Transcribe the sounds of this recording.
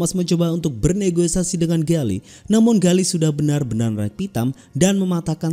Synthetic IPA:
asməɲt͡ʃobaunt̪ʊk̚bərneɡosasidəŋanɡalḭ | namʊnɡalisudahbənarbənarrɛk̚pit̪am | danməmat̪akan

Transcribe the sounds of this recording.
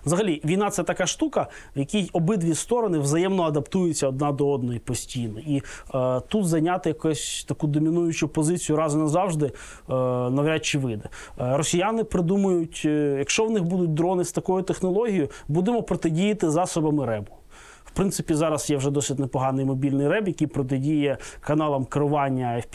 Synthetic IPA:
ʋzɐɦɐlʲiʋʲijn̪ɑt̪sɛt̪ɐkɑʃt̪ukɐ | jɐkʲijɔbɪd̪ʋʲist̪ɔɾɔnɪʋzɐjɛmnɔɐd̪ɐpt̪ujɪt͡sʲːɐɔd̪̚nɑd̪ɔɔd̪nɔjipɔsʲtʲijnɔit̪ut̪zɐjnʲat̪ɪjɐksʲt̪ɐkud̪ɔmʲinujʊt͡ʃʊpɔzɪt͡sʲijʊɾɑzʊnɐzɑwʒd̪ɪ | nɐʋɾʲat͡ʃɪʋɪd̪ɐ | rɔsʲijanɪpɾɪd̪umɐjʊtʲjɐkʃt͡ʃɔwnɪxbud̪ʊt̚ʲd̪ɾɔnɪst̪ɐkɔjʊt̪exnɔlˠɔɦʲijʊbud̪emɔpɾɔt̪edʲijɐt̪ɪzɑsɔbɐmɪɾɛbʊ̥ | wpɾɪnsɪpʲizɑɾɐsjɛwʐɛd̪ɔsɪtʲnepɔɦɑnɪjmɔbʲilʲnɪjrɛbjɐkʲijpɾɔt̪̬edʲijɛkɐnɑlˠɐmkɪɾʊʋɑnʲːɐ

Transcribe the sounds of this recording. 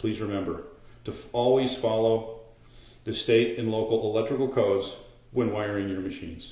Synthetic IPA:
pʰl̥izɹɨmɛ̃mbə˞ɾɨɔlˠwiz̥fɑlˠoʊ | ðɨsteɪɾɨ̃nloʊkl̩ˠəlɛk̚t͡ʃɹ̥ɨkl̩ˠkʰoʊdz | wə̃nwaɪə˞ɪ̃ŋjə˞mɨʃḭ̃nz̥

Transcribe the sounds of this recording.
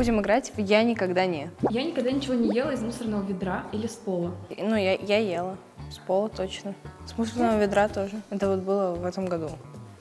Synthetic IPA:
budʲɪmɨɡɾatʲjanʲɪkɐɡd̪anʲet̪janʲɪkɐɡ̚d̪anʲɪt͡ɕɪvo̞nʲɪjelˠəɪzmusərnəvəvʲɪd̪ɾailʲɪspolˠənujajajelˠə | spolˠət̪ot͡ɕnəsmusərnəvəvʲɪd̪ɾat̪oʐɨɛt̪əvot̪̚bɨlˠəvɛt̪əmɡɐd̪u

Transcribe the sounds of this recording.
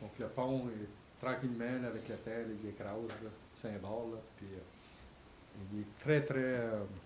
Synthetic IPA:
d̪̥ɔ̃kləpɔ̃ɛ | t̪ɾɑ̃kʲilmãlavɛkləpɛ̃lɔlekɾawzlɔ | sɛ̃bɑllɔpɥi | ilet̪ɾɛt̪ɾɛə

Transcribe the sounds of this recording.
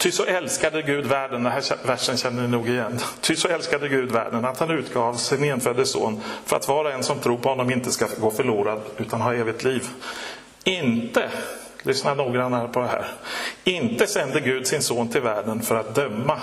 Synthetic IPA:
t̪ʰʏsɔʔɛlskad̪əɡʉ̟ːd̪væːɖənd̪ɛɦæːɛvæʂːənɕɛnːənɪnuːɡɪjɛnːt̪ʰʏsɔɛlskad̪əɡʉ̟ːd̪væ̰ːɖənat̪hanʉ̟ːt̪ɡɑːvsɪnɛnfœːd̪əso̰ːnfœɾa̰t̪vɑːɾaɛnsɔmt̪ʰɾuːɾpʰɔhɔnːɔmɪnt̪əskaɡoːfœɭuːɾad̪ʉ̟ːt̪anɦɑːeːvɪt̪ʰliːv | ɪnt̪ə | lʔʏsnanuːɡɾanːaɾpʰɔd̪ɛɦæ̰ːɾɪnt̪əsɛnd̪əɡʉ̟ːd̪sɪnsoːnt̪ʰɪlvæːɖənfœɾat̪̚d̪œmːa

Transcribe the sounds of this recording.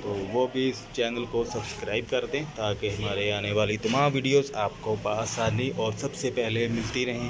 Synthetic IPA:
t̪oːʋoːbʱiɪst͡ʃɛːnəlkosɐbskɾaːɪb̚kɐɾt̪eɦt̪aːkeɦɐmaːɾeaːneʋaːlit̪ɐmãːmʋiːɖijoːzaːpkopaːsaːniʔɔːɾsɐbsepɛɦlemɪlt̪iɾɐɦẽː

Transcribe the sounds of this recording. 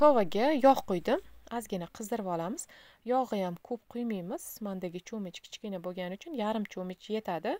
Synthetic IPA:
kʰovaɡʲajɒχqojd̪ɪmazɡʲɪnaqʰɨzd̪ɪɾvɒlˠamɪz̥ | jɒʁɨjamkʰɵp̚qʰʊjmijmɪz̥mand̪aɡʲɪt͡ʃʰomɪt͡ʃkʲʰɪ̥t͡ʃkʲɪnaboɡʲanɪʊt͡ʃʰʊnjaɾɪmt͡ʃʰomɪt͡ʃʰje̞t̪ʰad̪ɪ

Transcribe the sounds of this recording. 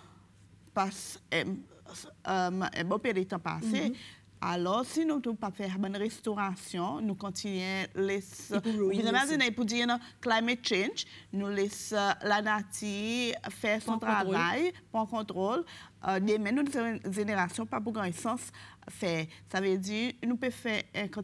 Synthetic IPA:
pasɛ̃ | ømɛ̰̃bɔ̃pɛdet̪ɑ̃pa̰se | a̰lɔʁsinũt̪ũpafɛʁbɔ̃nʁest̪oʁasjɔ̃nũkɔ̃t̪inɥɛ̃lɛsuzemazinejpud̪inãklajmɛt̪̚t͡ʃɛ̃nʒnũlɛslanatifɛʁsɔ̃t̪ʁavajpʁɑ̃kɔ̃t̪ʁold̪əmɛ̃nusʒeneʁasjɔ̃pap̬uɡɑ̃jɛ̃sɑ̃s | fɛsavødinũpefɛʁɛ̃kɔ̃

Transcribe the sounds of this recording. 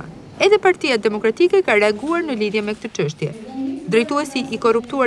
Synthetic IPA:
a̰ | ɛðɛpaɾt̪ijad̪ɛmɔkɾat̪ikɛkarɛaɡuaɾnəliðjɛmɛk̚t̪ət͡ʃəʃ̬t̪jɛd̪ɾɛjt̪uɛsiʔːkɔrupt̪ua

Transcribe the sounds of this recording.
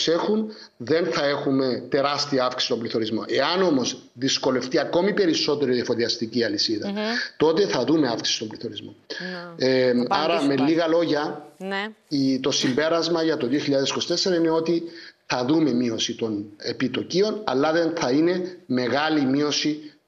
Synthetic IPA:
se̞xun | ðe̞nθɐe̞xume̞t̪e̞ɾɐst̪iɐɐfksi̥si̥st̪o̞mbliθo̞ɾizmo̞̰ʔe̞ɐno̞mo̞z | ðisko̞le̞ft̪iɐko̞mipe̞ɾiso̞t̪e̞ɾoiðɐfo̞ðiɐst̪iciɐlisiðɐt̪o̞t̪e̞θɐðume̞ɐfksi̥si̥st̪obliθo̞ɾizmo̞ | ɐɾɐmeliɣɐlo̞ʝɐ | it̪o̞simbe̞ɾɐzmɐʝɐt̪o̞ðioçiʎːaðesi̥ko̞si̥t̪e̞sːe̞ɾɐine̞o̞t̪iθɐðume̞mio̞sit̪o̞ne̞pit̪o̞cio̞nɐ̰lːɐðenθɐine̞me̞ɣɐlimio̞si

